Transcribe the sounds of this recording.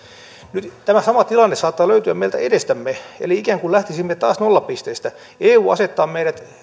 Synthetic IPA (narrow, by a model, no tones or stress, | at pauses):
nyt̪t̪æmæsɑmɑt̪ilɑnːessɑːt̪ːɑːløyt̪yæ̰meilt̪æ̰edest̪æmːeḛliikæːŋkulæht̪isimːet̪ɑːsnolːɑppist̪eːst̪æ | eːuːɑ̰set̪ːɑːmmeiɾæt̪